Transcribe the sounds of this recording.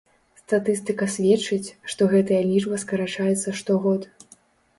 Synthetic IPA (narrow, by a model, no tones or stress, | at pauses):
st̪at̪ɨst̪ɨkɐsʲvʲɛt͡ʂɨt͡sʲʂt̪ɔɣɛt̪ɐjɐlʲiʐbɐskɐɾat͡ʂajɛt̪sːɐʂt̪ɔɣɔt̪